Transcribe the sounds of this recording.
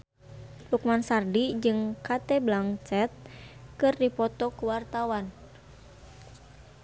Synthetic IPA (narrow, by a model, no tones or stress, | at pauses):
hukmansardid͡ʒɨŋkat̪ɛblaŋt͡ʃɛt̪̚kɨrdipɔt̪ɔkuwart̪awan